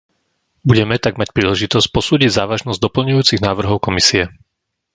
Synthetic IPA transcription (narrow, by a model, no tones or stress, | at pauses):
buɟɛmɛt̪aɡmac̚pɾiːlɛʒit̪ɔsc̚pɔsuːɟiɟzaːʋaʒnɔzɟd̪ɔpl̩ɲujuːt͡siɣnaːʋr̩ɦɔʊkɔmisiɛ